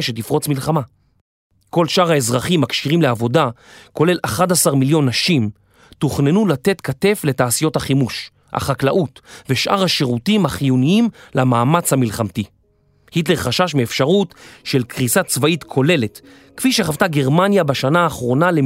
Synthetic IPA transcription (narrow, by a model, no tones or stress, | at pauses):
ʃetifʁo̞t͡smilχama | ko̞lʃʔaʁaezʁaχimːakʃiʁimleavo̞dako̞le̞laχadasaʁmiljo̞nːaʃim | tuχnenulate̞tkate̞fle̞taːsijo̞thaχimuʃ | ha̰χaklaʔutveʃʔaʁhaʃeʁutimhaχijuniimlamaːmat͡shamilχamti | hitle̞ʁχaʃaʃmeːfʃaʁutʃelkʁisat͡svaitkʰo̞le̞le̞t | kfiʃeχavtaɡe̞ʁmanjabaʃanaːχʁo̞nale